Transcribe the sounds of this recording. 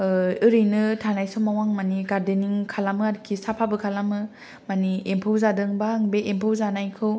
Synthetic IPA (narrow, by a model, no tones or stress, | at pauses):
ɯɾɯjnɯtʰanajsɔmawaŋmanikaɾdeniŋkʰalamɯaɾkʰisapʰabɯkʰalamɯ | maniempʰɯwzadɯŋbaŋbeʔempʰɯwzanajkʰɯw